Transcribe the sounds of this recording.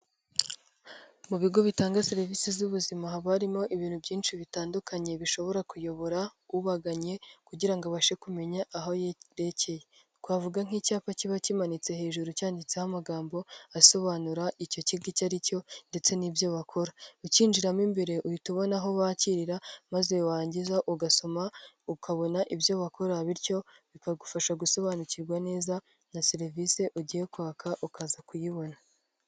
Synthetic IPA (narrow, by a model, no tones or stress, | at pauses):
muβiɡo̞βitaːŋɡase̞ɾivisizuβuzimaɦaβaɾimo̞ʔiβiːnhubjiːnʃiβitaːndukʰaɲe̞βiʃo̞βo̞ɾakujo̞βo̞ɾauβaɡaɲe̞kuɟiɾaŋɡoβaʃe̞kume̞ɲaʔaɦojɾe̞ce̞je | kwaːvuɡaŋ̥icaːpaciβacimanit͡se̞he̞ːʒuɾucaːndit͡sehamaɡaːmbo̞aso̞βaːnuɾaʔico̞ciɡicaɾico̞nde̞t͡se̞nibjo̞βakʰo̞ɾauciːnd͡ʒiɾamimbe̞ɾe̞ʔujituβo̞naɦo̞βaːciɾiɾamaze̞waːɲɟizaʔuɡaso̞ma | ukʰaβo̞naʔibjo̞βakʰo̞ɾaβiɾco̞βikaɡufaʃaɡuso̞βanuciɾɡwane̞ːza | naseɾvise̞ʔuɟijekaːkʰaʔukazakujiβo̞na